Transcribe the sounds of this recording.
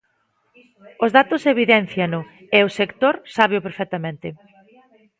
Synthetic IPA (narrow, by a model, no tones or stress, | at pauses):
ʊzðat̪ʊseβiðɛn̟θjɐnʊ | eʊsekt̪oɾsaβeʊpeɾfɛk̚t̪amẽnt̪ɪ